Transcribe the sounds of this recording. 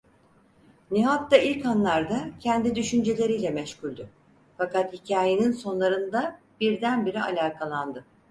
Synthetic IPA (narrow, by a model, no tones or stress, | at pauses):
niɦat̪ːailʲkanlˠaɾd̪acʰɛnd̪id̪yʃynd͡ʒe̞lʲe̞ɾijlʲɛmɛʃcylʲd̪ʊ | fakat̪hicʰaːjeninso̞nlˠaɾɯnd̪a | b̥iɾd̪ænbiɾia̰lʲaːkʰalˠand̪ɯ